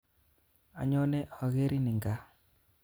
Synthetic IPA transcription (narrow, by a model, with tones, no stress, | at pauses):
a̰˨ɲɔ˦nɛ˦ʔɔ˨ɣe˦ɾi˦nɪ˨ŋɡa˦